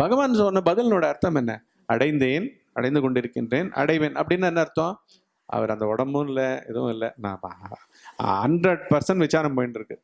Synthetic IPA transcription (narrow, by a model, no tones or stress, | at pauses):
b̥ʱɐɣɐʋaːnɯsɔnːɐbɐðɪlnoːɽɐːɾt̪ːɐmɛnːɐ̰ | ɐɽɐɪnd̪eːn | ɐ̰ɽɐɪnd̪ɯkɔɳɖɪɾɯkːɪndɾeːnɐ̰ɽɐɪʋeːnɐ̰pːɐɽɪnːaɛnːɐɪɾɯt̪ːõː | ʔɐ̰ʋɐɾɐnd̪ɐɔɽɐmbʊ̃nɪlɛɛ̰ðɐʋʊ̰̃ɪlːɐnã̰ː | hɐɳɖɾɐɽ̚pɐɾsɐɳʈʋɪt͡ʃːaːɾɐmpoːjnɖɪɾɯkːɯ